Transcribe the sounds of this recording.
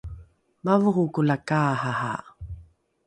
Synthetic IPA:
mavuhukulakaɦaha̰

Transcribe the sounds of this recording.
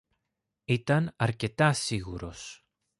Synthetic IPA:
it̪ɐnɐɾce̞t̪ɐsiɣuɾo̞̰s

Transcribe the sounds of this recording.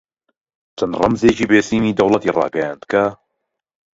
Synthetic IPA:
t͡ʃʰɐnrɑ̰mzeːt͡ʃiːbeːsiːmiːd̪ɐwlˠɐt̪iːrɑ̰ːɡɐja̰ːnd̪ka

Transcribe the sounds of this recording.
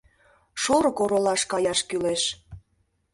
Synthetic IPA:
ʃoɾɤ̆koɾolɑʃkɑjɑʃkyleʃ

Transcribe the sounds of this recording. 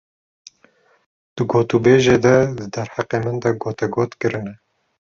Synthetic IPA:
d̪̥ɨɡoːt̪ubeːʒeːd̪ɛd̪ɨd̪ɛɾhaqeːmɨnd̪ɐɡoːt̪ɛɡoːt̪kɨɾɨnɛ

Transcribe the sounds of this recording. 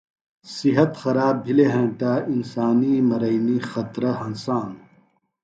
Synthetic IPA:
siɦɐt̪xɐɾaːbbʱileɦɐ̃ːʈaːinsaːnimɐɾɐinixɐt̪ɾɐɦɐnsaːn

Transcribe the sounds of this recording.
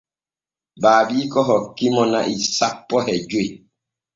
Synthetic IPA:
baːbiːkɔɦɔkimɔnaʔisapːɔhɛd͡ʒwe

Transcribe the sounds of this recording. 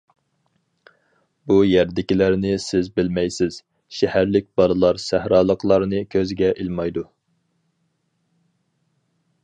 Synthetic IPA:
bujæɾd̪ɪkʲilæɾnɪsɪzbɪlmɛjsɪz̥ | ʃɛhæɾlɪk̚ʲbɑɾɨlˠɑɾsæhɾɑːlˠəqʰlˠɑɾnɨkʲʰøzɡʲɛʔilmɑjd̪u

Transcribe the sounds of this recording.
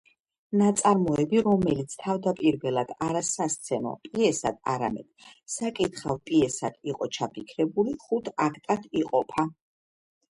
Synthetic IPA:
nat̪sʼaɾmɔɛbiɾɔmɛlit̪sʰt̪ʰavd̪apʼiɾvɛlˠad̪̥aɾasast̪sʰɛnɔ̰pʼiɛsa̰d̪̥̚a̰ɾa̰mɛ̰d̪̥sakʼit̪χalˠpʼiɛsad̪ʰiqʼɔt͡ʃʰapʰikʰɾɛbuliχut̪ʰakʰt̪ʼad̪ʰiqʼɔpʰa

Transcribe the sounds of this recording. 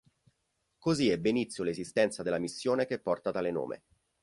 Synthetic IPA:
koziɛbːeinit̪sjolezist̪ɛnt̪sad̪elːamisːjoːnekepːɔrt̪at̪aleno̰ːmʔḛ

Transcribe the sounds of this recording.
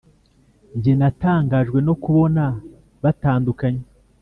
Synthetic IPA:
ɲɟenataːŋɡaʒɡwe̞no̞kuβo̞na | βataːndukaɲe

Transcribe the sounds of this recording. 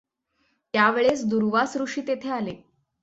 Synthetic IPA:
t̪jaʋeɭesd̪uɾʋasɾuʂiːt̪et̪ʰeale

